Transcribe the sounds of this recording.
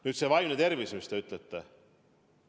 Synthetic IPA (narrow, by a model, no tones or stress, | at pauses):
nyːt̪sevɑjmnet̪e̞rvismist̪eyt̪ˑlet̪ːe